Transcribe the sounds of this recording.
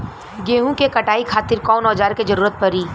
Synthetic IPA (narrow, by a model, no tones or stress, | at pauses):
ɡeːɦũkekɐʈaːikʰaːt̪ɪɾkɔːnɔːd͡ʒaːɾked͡ʒɐɾuːɾət̪̚pɐɾiː